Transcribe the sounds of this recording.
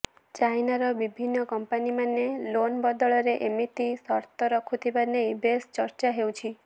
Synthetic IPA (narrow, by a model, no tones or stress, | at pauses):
t͡ʃajnaɾɔbibʱinːɔkɔmpanimanːelonbɔd̪ɔɭɔɾeʔemit̪isɔɾt̪ɔɾɔkʰut̪ʰibanejbest͡ʃɔɾt͡ʃaɦewt͡ʃʰi